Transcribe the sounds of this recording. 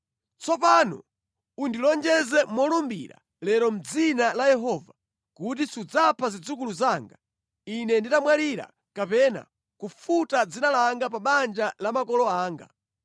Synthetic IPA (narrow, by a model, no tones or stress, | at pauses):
t͡sɔpanṵ | undilɔnd͡ʒɛzɛmɔlɔmbḭɾa̰ | lɛɾɔm̩d͡zinalajɛɦɔva | kut̬isud͡zapʰazid͡zuk̬uluzaːŋɡa | inɛnditamwaliɾa̰ | kapɛna̰ | kufutad͡zinalaŋɡap̬aɓand͡ʒalamakɔlɔaːŋɡa̰